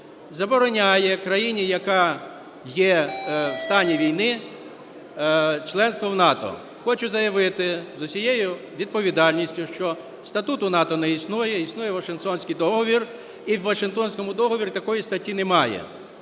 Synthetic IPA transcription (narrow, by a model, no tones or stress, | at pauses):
zɐbɔɾɔnʲajɛkɾɐjinʲijɐkɑ | jɛwst̪ɑnʲiʋʲijnɪ | t͡ʃlˠɛnst̪ʋɔwnɑt̪ɔ̰ | xɔt͡ʃʊzɐjɐʋɪt̪ɪzʊsʲijejʊ | ʋʲid̪̚pɔʋʲid̪ɑlʲnʲisʲtʲʊʃt͡ʃɔ | st̪ɐt̪ut̪ʊnɑt̪ɔnɛisnujɛisnujɛʋɐʃɪnt̪ɔnʲsʲkʲijd̪ɔɦɔʋʲir | iwʋɐʃɪnkt̪ɔnʲsʲkɔmʊd̪ɔɦɔʋʲiɾʲʊt̪ɐkɔjist̪ɐtʲːinɛmɑjɛ̰